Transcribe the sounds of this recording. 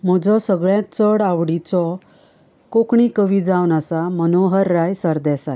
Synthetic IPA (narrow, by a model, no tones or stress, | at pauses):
m̤əd͡zɔsəɡɭjãt̪t͡səɽaʋɽit͡sɔ | kokɳikəʋid͡zawnasamənoɦəɾːajsəɾd̪ɛsa